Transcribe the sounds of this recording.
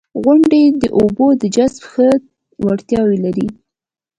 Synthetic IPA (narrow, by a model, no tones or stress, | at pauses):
ɣʊɳɖed̪əʔobod̪əd͡ʒasbxə | waɽt̪jɑwelaɾi